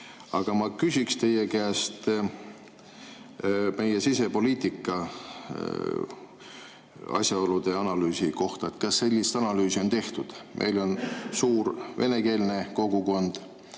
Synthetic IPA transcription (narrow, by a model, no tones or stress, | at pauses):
ɑɡ̥ɑmɑkysʲikst̪e̞jekæːst̪ | me̞jesise̞po̞liːt̪ikːˑɑ | ɑ̰sjɑo̞lud̪̥e̞ɑnɑlyːsiko̞ht̪ɑet̪ˑkɑsːe̞lʲːist̪ɑnɑlyːsio̞nt̪e̞ht̪ud̪̥mʔe̞̰jlo̞nsuːɾve̞̰ne̞ke̞ːlne̞ko̞ɡ̥uko̞nd̪̥